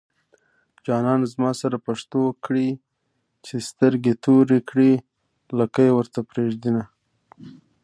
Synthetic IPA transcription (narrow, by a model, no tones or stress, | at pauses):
d͡ʒɑnɑnzmɑsaɾapaʂt̪okɽi | t͡ʃest̪əɾɡet̪ʰoɾekɽi | lakajewəɾt̪apɾeʒd̪ina